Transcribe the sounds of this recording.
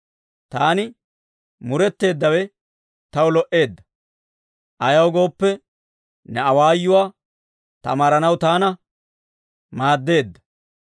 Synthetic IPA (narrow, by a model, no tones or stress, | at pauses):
t̪aːnɪ | mʊɾɛt̪ːe̞ːd̪ːɐwɛ | t̪ɐwʊlɔʔe̞ːd̪ːɐ̥ | ʔɐjɐwɡo̞ːpːɛ | nɛɐwaːjːʊwaː | t̪ɐ̰maːɾɐnɐwt̪aːnɐ | maːd̪ːe̞ːd̪ːɐ̥